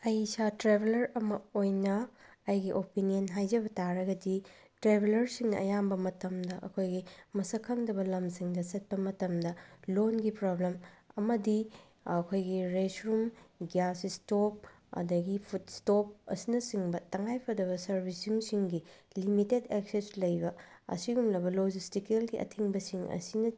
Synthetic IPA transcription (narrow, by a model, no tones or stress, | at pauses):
ɐjsatɾebʱelɐɾɐmɐojnɐːjɡiʔopinijɐnɦajd͡ʒɐbɐtaɾɐɡɐdi | tɾebʱelɐɾsiŋnɐʔɐ̰jambɐmɐtɐmdɐʔɐ̰kʰojɡimɐsɐkʰɐŋdɐbɐlɐmsiŋdɐsɐt̚pɐmɐtɐmdɐlonɡipɾoblemɐmɐdi | ɐkʰojɡiɾesɾumɡjasistop̚ | ɐ̰dɐɡipʰut̚stop̚ɐ̰sinɐsiŋbɐtɐŋajpʰɐdɐβɐsɐɾbʱisiŋsiŋɡilimitedekseslɐjbɐɐ̰siɡumlɐbɐlod͡ʒistikelɡiʔɐ̰tʰiŋbɐsiŋɐ̰sinɐ